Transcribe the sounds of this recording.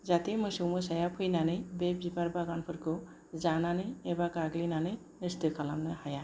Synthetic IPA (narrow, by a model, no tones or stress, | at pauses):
zat̪emɯjsumɯsajapʰujnanɯjbebbipaɾbaɡankʰɯɾkɯ | zananɯebakaɡlinanɯ | nɯst̪ɯkʰalamnɯhaja